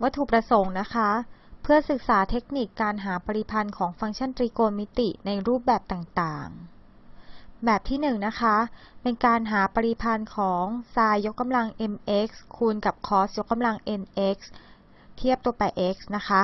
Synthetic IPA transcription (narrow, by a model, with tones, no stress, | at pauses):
wa˦˥t̪ʰːuː˨˩pɾa˧so˩˦ŋna˦˥kʰa˦˥pʰɯ˥˩ɐsɯ˨˩k̚saː˩˦t̪ʰe˦˥k̚ni˨˩kːaː˧nɦaː˩˦pa˧ɾi˧pʰa˧nkʰɔː˩˦ŋfa˧ŋt͡ɕʰa˥˩nt̪ɾiː˧koː˧nmi˦˥t̪ḭ˨˩na˧jɾuː˥˩p̚bɛː˨˩p̚t̪aː˨˩ŋt̪aː˨˩ŋ | bɛː˨˩p̚t̪ʰiː˥˩nɯ˨˩ŋna˦˥kʰa˦˥ | pe˧nkaː˧nɦaː˩˦pa˧ɾi˧pʰa˧nkʰɔː˩˦ŋsaː˧jːo˦˥kːa˧mla˧ŋʔe˧mʔe˦˥k̚skʰu˧nka˨˩p̚kʰɔː˦˥s̚jo˦˥kːa˧mla˧ŋʔe˧nʔe˦˥k̚s | t̪ʰi˥˩əp̚t̪u˧ɐpa˧jʔe˦˥k̚sna˦˥kʰa˦˥